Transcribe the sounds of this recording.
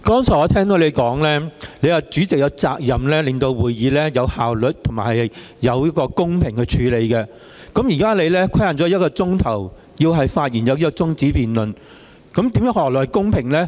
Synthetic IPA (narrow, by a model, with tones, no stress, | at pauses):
kɔː˥nsʰɔː˨˩ɔː˨˧t̪ʰɛː˥ŋt̪o˨˥le˨˧jkɔː˨˥ŋlɛː˥le˨˧jaː˨t͡syː˨˥t͡sɪ˨k̚jɐ˨˧wt͡saː˧k̚jɐ˨mlɛː˥lɪ˨ŋt̪o˧wwuː˨jjiː˨˧lɛː˥jɐ˨˧whaː˨wlɵ˨t̚t̪ʰʊ˨˩ŋmaː˨˩hɐ˨jh | jɐ˨˧wjɐ˥t̚kɔː˧kʊ˥ŋpʰɪ˨˩ŋkɵ˧t͡ʃʰyː˨˧le˨˧jkɛ˧ | kɐ˨˥mjiː˨˩kaː˥le˨˧jlɛː˥kʰɐ˥jhaː˨˩tt͡sɔː˨˥˦jɐ˥kːɔː˧t͡sʊ˥ŋt̪ʰɐ˨˩w | jiː˧wɦɐ˨jfaː˧t̚jiː˨˩njɐ˨˧wji˥kːɔ˧t͡sʊ˥ŋt͡siː˨˥piː˨˩nlɵ˨n | kɐ˨˥mt̪iː˨˥mjœː˨˥ŋhɔː˨˩k̚lɔː˨˩hjkʊ˥ŋpʰɪ˨˩ŋlɛː˥